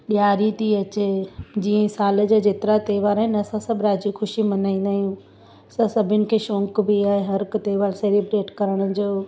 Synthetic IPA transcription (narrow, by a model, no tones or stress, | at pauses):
ɗijaːɾit̪ʰiɐt͡ɕed͡ʑiːə̃saːləd͡ʑad͡ʑeːt̪ɪɾat̪eːʋaːɾɦɪnɐsãsɐbʱɾaːd͡ʑixʊʃimɐnaːĩːn̆d̪aːɦijũ | ɐsãsɐbʱɪnɪ̆kʰeːʃõːŋkbiaːɦeɦɐɾkt̪eːʋaːɾseːlibɾeːʈkɐɾəɽ̃ə̆d͡ʑoː